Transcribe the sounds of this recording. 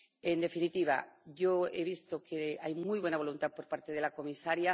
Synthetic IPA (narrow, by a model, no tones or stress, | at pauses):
e̞nd̪e̞finit̪iβa̰ʝoeβ̞ist̪o̞kʰeajmujβwe̞naβo̞lunt̪apo̞ɾpaɾt̪e̞ðe̞lako̞misaɾja